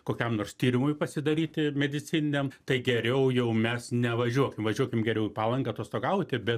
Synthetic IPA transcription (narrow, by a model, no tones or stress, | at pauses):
koːkʲɛmnoːrst̪ʲiːɾʲɪmʊjpɐsʲɪd̪ɐɾʲiːt̪ʲɪmʲɛd̪ʲɪt͡s̪ʲɪnʲɪnʲɛmt̪ɐɪɡʲɛɾʲɛʊjɛʊmʲɛsnʲɛʋɐʒʲuɔkʲɪmʋɐʒʲuɔkʲɪmɡʲɛɾʲɛʊpɑːlˠɐŋɡɐt̪oɔst̪oːɡɐʊt̪ʲɪbʲɛt